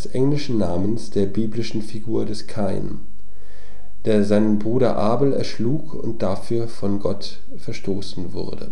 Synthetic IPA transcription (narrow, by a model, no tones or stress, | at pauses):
ɛsʔɛŋlɪʃn̩naːmənsd̥eːɐbiːblɪʃn̩fiɡuːɐdɛskʰaɪn | d̥eːɐzaɪnənbʁuːɾɐ̰ʔaːbl̩ɛ̰ɐʃluːkʰʊ̰nt̚d̥afyːɐfɔnɡɔt | fɛɐʃtoːsn̩vʊ̰ɐdə̰